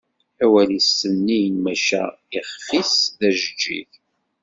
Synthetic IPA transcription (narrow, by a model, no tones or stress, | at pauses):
ħæwælisːənːijnmæʃæ̰ | iχfisðæʒəd͡ʒːḭθ